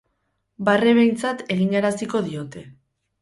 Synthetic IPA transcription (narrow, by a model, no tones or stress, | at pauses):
bareβe̞jnt͡sat̪e̞ɣ̞iŋɡaɾasiko̞ðio̞t̪e̞